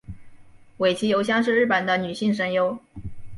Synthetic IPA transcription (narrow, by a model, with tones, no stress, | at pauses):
we˨˩ɪt͡ɕʰi˧˥jo˧˥ʊɕ̬jɑ˥ŋʂ̬ɻ̩˥˧ɻ̩˥˩pə˨˩nd̪ə˦ny˨˩ɕi˥˩ŋʂə˧˥njo˧˥ʊ